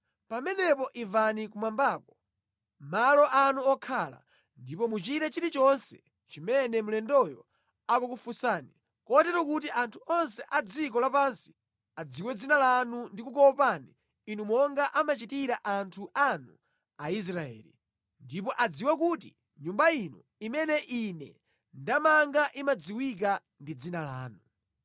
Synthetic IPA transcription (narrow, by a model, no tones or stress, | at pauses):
pamɛnɛpɔʔivanikumambakɔ | malɔʔanuɔkʰaːla̰ | ndipɔmut͡ʃiɾɛt͡ʃiɾit͡ʃɔnsɛ | t͡ʃimɛnɛmulɛndɔjɔ̰ | akɔkufusaːni | kɔtɛtɔkutiʔantʰuɔnsɛʔad͡zik̬ɔlapansi̥ | ad͡ziwɛd͡zinalanundikukɔpaniː | numɔŋɡaʔamat͡ʃitiɾaʔantʰuʔanu | ais̬ɾaɛ̰ːli | ndip̬ɔʔad͡ziwakut̬ḭ | ɲumbainɔ̰ | imɛnɛʔinɛ̰ | ndamaŋɡaʔimad͡ziwik̬a | ndid͡zinala̰ːnu